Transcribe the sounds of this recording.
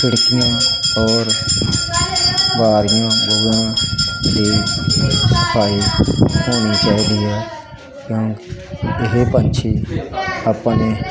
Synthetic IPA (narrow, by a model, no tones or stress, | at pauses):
sɪɽkɪjãːɔːɾ | baːɾɪjãːbəɡãːd̪iː | səpʰaːiːsoːniːt͡ʃaːid̪iːɦɛː | kjõːkɪɦepənt͡ʃʰiːəpneː